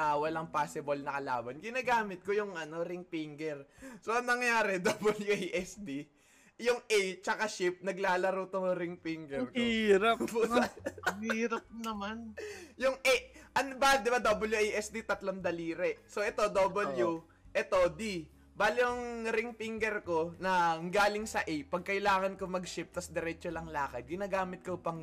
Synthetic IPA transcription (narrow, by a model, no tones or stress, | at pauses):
ʔawɐlaŋpaːsɪbolnɐkɐla̰ːbɐnɡɪnaːɡaːmɪt̪̚kojʊŋɐno̞ɾɪŋpiŋɡɛɾso̞ʔɐŋnɐŋɐjaːɾɛd̪obɐljuʔejʔɛsd̪i | jʊŋʔɛjt͡ʃɐkaʃɪp̚nɐɡlaːlɐɾuːt̪oŋɾɪŋpiŋɡɛɾkiɾɐp | iːɾɐp̚nɐmanjʊŋʔɛʔɐnbad̪ɪbad̪oːbɐljuʔejʔɛsd̪it̪ɐt̪lomd̪ɐliːɾɛsoʔɛt̪o̞d̪obɐlju | ʔɛt̪o̞d̪i | baːlɪʊŋɾɪŋpiŋɡɛɾko̞nɐŋɡaːlɪŋsɐʔɛjpɐɡ̚kɐʔɪlaːŋɐnkomɐɡʃɪp̚t̪ɐsd̪ɛɾɛːt͡ʃolɐŋlaːkɐt̪̚ɡɪnaːɡaːmɪt̪̚kopɐŋ